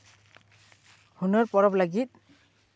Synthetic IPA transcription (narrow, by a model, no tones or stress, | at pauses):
hunɔɹpɔɹɔplaɡit̪̚